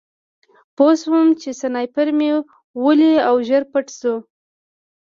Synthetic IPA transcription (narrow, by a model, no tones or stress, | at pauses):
poswumt͡ʃesanɑjpəɾme | wəliawʒəɾpaʈsu